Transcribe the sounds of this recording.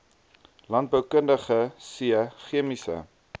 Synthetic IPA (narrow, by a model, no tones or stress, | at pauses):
lɐnt̚bəwkəndəχəsiəχiəmisə̰